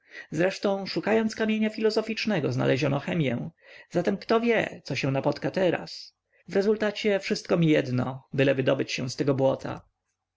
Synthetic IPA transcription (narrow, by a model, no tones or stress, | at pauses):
zɾɛʂt̪ɔ̃w̃ʂukajɔnt̪skamʲjeɲafʲilɔzɔfʲit͡ʂnɛɡɔzna̰lʔɛʑɔnɔxɛmʲjɛ̰w̃z̥at̪ɛmkt̪ɔvʲjɛ̰t̪sɔɕɛ̃w̃napɔt̪kat̪ɛɾa̰s | vɾɛzult̪at͡ɕɛfʂɘst̪̚kɔmʲijɛd̪nɔbɘlɛvɘd̪ɔbɘt͡ɕɕɛ̃w̃st̪ɛɡɔbwɔt̪ʰa̰